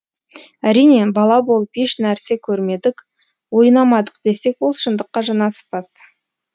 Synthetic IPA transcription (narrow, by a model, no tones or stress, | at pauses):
æɾijne̞bɑlˠɑbo̞lˠəpeʃnæɾse̞kʲʰɵɾme̞d̪ɪk | wo̞jnɑmɑd̪əqd̪e̞se̞kwo̞lˠʃənd̪əqːɑʒɑnɑsə̥pɑs